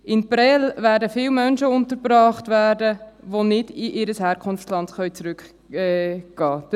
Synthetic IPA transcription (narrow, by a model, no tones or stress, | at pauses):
ʔɪnpɾɛlvæːɾdəfɪːwmœnʃəʊntəɾbɾɑːχtvæːɾdəʋonɪdɪʔɪɾəshɛːɾkʰʊnft͡slɑntχœʏt͡sɾʏk | ɛɡ̥ɑːd